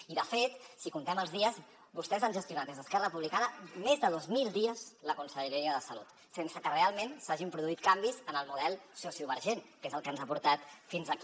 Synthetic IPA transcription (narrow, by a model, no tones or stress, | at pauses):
iðəfet̪sikunt̪ɛməlˠzðiəz | bust̪ɛzanʒəst̪iunat̪ezðəskɛrəpuβlikaðəmezðəðozmilˠd̪iəzləkunsəʎəɾiɾiəðəsəlut̪ | sensəkərealˠmensaʒimpɾuðuit̪kambizənəlˠmuðɛlˠsosiuβəɾʒenkezəlˠkanzapuɾt̪at̪finzək